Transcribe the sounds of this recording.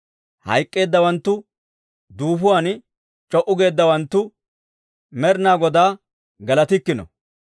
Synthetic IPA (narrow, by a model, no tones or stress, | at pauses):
hɐ̰jkʼːe̞ːd̪ːɐwɐnt̪ːʊ | d̪uːfʊwan | t͡ʃʼɔʔʊɡe̞ːd̪ːɐwɐnt̪ːʊ | mɛɾnaːɡɔd̪aː | ɡɐlɐt̪ɪkːɪnɔ̰